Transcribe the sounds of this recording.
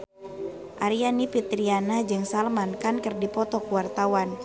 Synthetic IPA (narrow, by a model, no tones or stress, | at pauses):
ʔaɾianipit̪ɾianahd͡ʒɨŋsalmankankɨrdipɔt̪ɔkwart̪awan